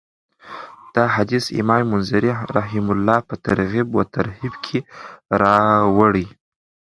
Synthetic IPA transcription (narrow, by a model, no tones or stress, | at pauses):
d̪̥ɑɦad̪isɪ̰mɑmmʊnzaɾiɾaɦɪmʊlːɑpət̪aɾɣibwət̪ʰaɾhibkʰeɾɑwəɽi